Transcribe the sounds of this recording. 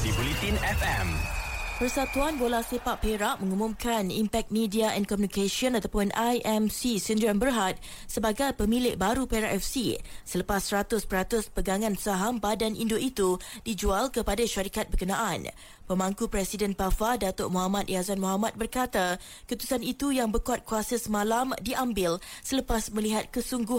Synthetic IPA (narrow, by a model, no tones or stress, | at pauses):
sipolit̪inɛfɛmpərsat̪uanbolahsepaʔpeɾaʔmə̃ŋumʊ̃mkʰanimpɛk̚t̪̚midiaʔɛ̰̃nkɔmjũnikeʃiɔnat̪awpʊnʔajʔɛmsisindambərɦat̪̚ | səbaɡajpəmĩlɪʔbaɾupeɾa̰ʔɛfsḭsələpasːəɾat̪ʊspəɾat̪ʊspəɡaŋãnsaɦambadanʔindoʔit̪udid͡ʒualkəpadaʃaɾikat̪̚bərkənãʔan | pəmaŋkupɾɛsidɛnpafadat̪oʔmɔɦamat̪̚ʔiasanmɔɦamat̪̚bərkat̪a | kəut̪u̥sanit̪ujaŋbərkuat̪̚kuasasəmãlamdiʔambɪlsələpasmə̃liɦat̪̚kəsuŋɡʊh